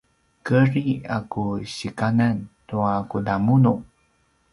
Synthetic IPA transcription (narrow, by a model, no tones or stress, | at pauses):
kəɾiakuɕikanantuakudamunu